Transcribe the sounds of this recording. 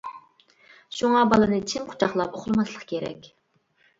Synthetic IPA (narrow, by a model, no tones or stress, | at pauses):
ʃuŋɑbɑlˠɨnɨt͡ʃʰɪmqʰʊ̥t͡ʃʰɑχlˠɑpoχlˠmɑslˠəqkʲʰeɾɛ̰kʲ